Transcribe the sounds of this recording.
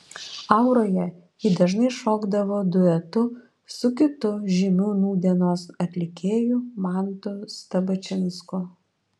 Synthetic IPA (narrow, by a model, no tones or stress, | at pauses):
ɐʊɾoːjɛ | id̪ɐʒnɐɪʃoːɡd̪ɐʋoːd̪ʊɛt̪ʊ | sʊkʲɪt̪ʊʒʲimʲuːnuːd̪ʲiɛnoːsɐt̪ʲlʲɪkʲeːjumɑˑnt̪ʊst̪ɐbɐt͡ʃʲɪnskʊ